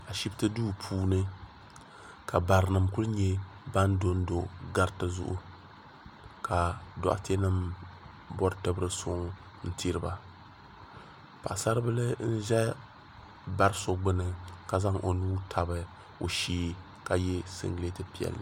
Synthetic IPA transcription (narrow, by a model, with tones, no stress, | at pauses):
a˨ʃi˦btɨ˦duː˦pʰuː˦nɨ˦ | kʰa˨ba˨ɾɨ˨nɨ˨mku˦lɨ˦ɲɛ˦ | ba˦ndo˦n˦do˨ɡa˦ɾtɨ˦zʊ̰˦ʔʊ̰˦ | ka˨dɔ̰˨ʔa̰˨te˦nɨ˦m | bɔ˦ɾtɨ˨bɾɨ˦sʊ̰˦ŋ | n̩˦tʰi˦ɾɨ˦ba˦ | pa̰˨ʔsa˦ɾɨ˦bɨ˦lɨ˦n̩˦ʒɛ˦ | ba˦ɾɨ˦so˦ɡ͡bɨ˦nɨ˨ka˨za˦ŋʔo̰˨nuː˦tʰa˨bɨ˨ | o˨ʃiː˦ | ka˨jɛ˦sɨ̰˦ŋɡle˦tɨ˦pi˦˨ɛ̰˨lnɨ˦